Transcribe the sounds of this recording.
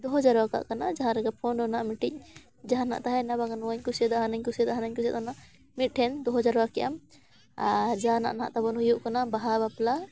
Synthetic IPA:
d̪ɔɦɔd͡ʒaɾwaka̰ʔkanad͡ʒaɦãɾɛɡapʰɔnɖɔnaʔmiʈic̚ˀ | d͡ʒaɦana̰ʔt̪aɦɛnabaɡanwaɲkusɛd̪aɦanaɲkusɛt̪aɦanaɲkusɛt̪̚ɔnaʔ | miʈʰɛnd̪ɔɦɔd͡ʒaɾɔwakɛja̰m | aɾd͡ʒana̰ʔna̰ʔt̪abɔnɦujuʔkanabaɦabapla

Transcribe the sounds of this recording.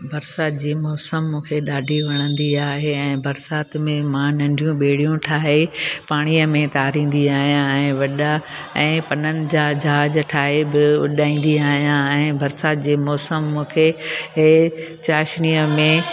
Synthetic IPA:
bʱɐɾsaːt̪d͡ʑiːmɔːsəmːũːkʰeɗaːɖʱiʋɐɽ̃ə̃nd̪iaːɦeɛ̃ːbɐɾsaːt̪mẽmãnɐ̃ɳɖʱijũɓeːɽijũʈʰaːɦepaːɽ̃iəmẽt̪aːɾĩːn̆d̪iaːɦijãɛ̃ːʋɐɗa | ɛ̃ːpɐnənɪ̆d͡ʑaːd͡ʑɦaːd͡ʑʈʰaːɦebɪʊ̰ɗaːĩːn̆d̪iaːɦijãɛ̃ːbʱɐɾsaːt̪̚d͡ʑiːmɔːsəmːũːkʰeɦet͡ɕaːʃnijəmẽ

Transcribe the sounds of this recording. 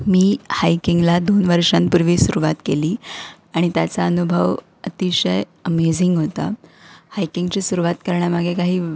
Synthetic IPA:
miːhajkiŋɡlad̪onʋəɾʂãnpuɾʋiːsuɾuʋat̪keliː | aɽ̃it̪jat͡saənubʱəʋ | ət̪iɕəj | əmed͡ziŋɡɦot̪a̰hajkiŋɡt͡ɕiːsuɾuʋat̪kəɾɳjamaɡʱjekaɦiː

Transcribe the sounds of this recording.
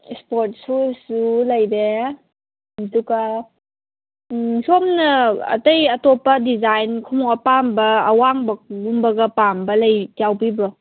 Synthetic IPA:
spɔɾt̚susulɐjde | ɐduɡa | somnɐɐ̰tajɐtɔpɐdizajnkʰɔmɔŋapambɐːwaŋbɐɡumbɐɡɐpambɐlajjawbibɾɔ

